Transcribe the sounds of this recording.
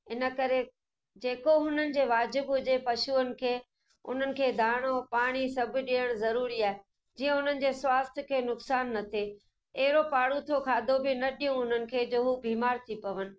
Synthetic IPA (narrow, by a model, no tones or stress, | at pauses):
ɪnə̆kɐɾe | d͡ʑeːkoɦʊn̤ənɪ̆d͡ʑeːʋaːd͡ʑɪbɦʊd͡ʑepɐʃuənɪ̆kʰeː | ʊ̰n̤ənɪ̆kʰeːd̪ʱaːɽ̃opaːɽ̃isɐbʱɪ̆ɗiəɽ̃zɐɾuːɾiaːɦe | d͡ʑiːə̃ʊn̤ənɪ̆d͡ʑeːswaːst̪ʰkʰeːnʊksaːnːɐt̪ʰe | ɐɦɪɾopaːɽũt̪ʰokʰaːd̪ʱobɪnɐɗijũɦʊn̤ənɪ̆kʰeːd͡ʑoːɦubʱiːmaːɾt̪ʰipɐʋənɪ̆